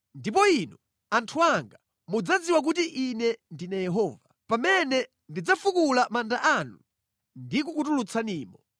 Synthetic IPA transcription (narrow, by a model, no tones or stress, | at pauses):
ndip̬ɔinɔ | antʰuaŋɡa | mud͡zad͡ziwak̬utiʔinɛndinajɛɦɔːvapamɛnɛ | ndid͡zafukulamandaʔanu | ndik̬ukutulut͡sʰaniːmɔ